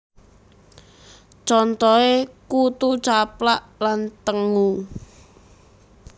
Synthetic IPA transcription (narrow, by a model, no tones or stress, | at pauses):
t͡ʃɔnt̪ɔekut̪ut͡ʃaplaʔlant̪əŋu